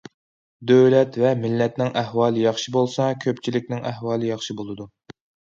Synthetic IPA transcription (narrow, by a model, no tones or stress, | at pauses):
d̪øwlɛt̪vɛmɪlːɛt̪nɪŋʔæhwɑːlˠɨjɑχʃibolˠsɑkʲʰøpt͡ʃʰilɪk̚ʲnɪŋæhwɑːlˠɨjɑχʃibolˠɨd̪u